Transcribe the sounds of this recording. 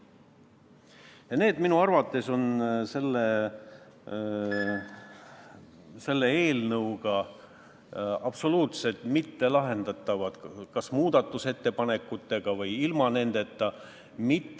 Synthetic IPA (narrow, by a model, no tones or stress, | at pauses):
jɑne̞ːd̪minuɑrvɑt̪ːˑe̞so̞nse̞lːe | se̞lːe̞e̞ːlnɤwɡ̥ɑ | ɑb̥so̞luːt̪se̞lt̪mit̪ːe̞lɑɦe̞nd̪̥ɑt̪ːˑɑvɑd̪̥kɑsmuːd̪̥ɑt̪ˑːuse̞t̪ːe̞pɑne̞kːˑut̪ːˑe̞ɡ̥ɑvɤjilmɑne̞nd̪̥e̞t̪ːɑ | mit̪ː